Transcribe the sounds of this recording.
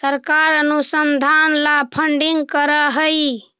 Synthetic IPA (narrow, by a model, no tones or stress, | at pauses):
səɾkaɾənusənd̪ʱanlapʰəɳɖiŋɡkəɾəɦəj